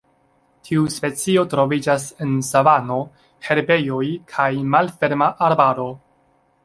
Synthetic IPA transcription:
tʰiuspe̞t͡sio̞tɾo̞vid͡ʒase̞nsavano̞ | he̞ɾbe̞jo̞jkʰajmalfe̞ɾmaʔaɾbaɾo̞

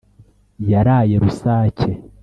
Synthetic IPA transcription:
jaɾaje̞ɾusaːce̞

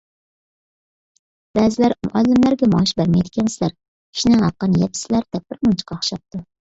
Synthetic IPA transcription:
b̥æzɪlæɾmʊ̰ʔɑlːɪmlæɾɡʲɛmɑʃbæɾmɛjd̪ɪkʲʰɛnsɪlæɾ | kʲʰi̥ʃinɪŋhɑqːənjɛpʰɪ̥sɪlæɾd̪ɛp̚bɪɾmunt͡ʃʰɪ̥qʰɑχʃɑp̚t̪u

